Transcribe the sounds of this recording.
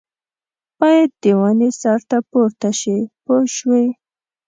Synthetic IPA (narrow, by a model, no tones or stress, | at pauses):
b̥ɑjad̪̚d̪ewanisɑɾt̪apoɾt̪aʃipoʃwe